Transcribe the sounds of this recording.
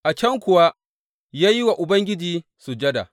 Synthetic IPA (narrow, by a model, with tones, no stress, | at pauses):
ʔa˨t͡ʃɐ˦ŋkʷʊ˨wa˦ | jaː˦ji˦wa˨ʔʊ˨bɐ˦ŋɡʲɪ˦d͡ʒiː˦ | su˨d͡ʒɐ˦da̰˨